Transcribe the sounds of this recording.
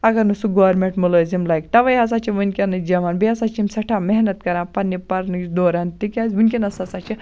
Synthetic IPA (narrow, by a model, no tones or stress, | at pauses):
ɐɡɐnɨsuɡoʋɐɾmẽʈmulozimlajkʈɐʋɐjɦɐsat͡ʃiʋɨnkʲenɨd͡ʒɐʋanbiɐsat͡ʃimsɐʈʰameɦnɐt̪kɐɾãpɐnːipɐɾnɨt͡ʃd̪oːɾant̪ikʲazʋunkʲenɐsɐsat͡ʃi